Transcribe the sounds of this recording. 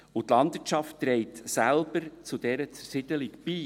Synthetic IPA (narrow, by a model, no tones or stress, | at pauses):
ut̪lɑndvɪtt͡ʃɑftːɾɛɪtsælb̥əɾt͡sud̥ɛɾət͡səsɪd̪əlɪkb̥iː